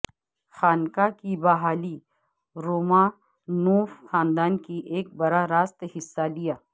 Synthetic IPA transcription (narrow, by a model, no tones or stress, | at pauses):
xaːnkakibɐɦaːli | ɾoːmãː | nũːfxãːnd̪aːnkiʔeːk̚bɐɾaɾaːst̪hɪsːalijaː